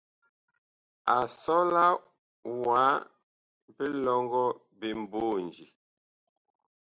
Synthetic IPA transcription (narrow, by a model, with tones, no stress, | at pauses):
a˨sɔ˦la˦ | wa˨˦ | pe˦lɔ˦ŋɡɔ˦ | be˨m̩˨bo˦˨nd͡ʒi˨